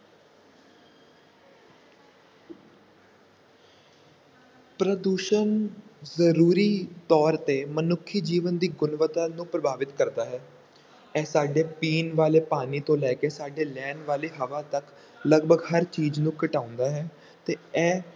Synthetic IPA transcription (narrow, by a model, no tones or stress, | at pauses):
pɾəd̪uːʃənzəɾuːɾiːt̪ɔːɾt̪eːmənʊkʰːid͡ʒiːʋənd̪iːɡʊnʋət̪aːnũːpɾəbaːʋɪt̪kəɾd̪aːɦɛː | ɛːsaːɖeːpiːnʋaːleːpaːniːt̪õːlɛːkeːsaːɖeːlɛːnʋaːleːɦəʋaːt̪ək | ləɡbəɡhəɾt͡ʃiːd͡ʒnũːkəʈãːʊ̃nd̪aːɦɛː | t̪eːɛː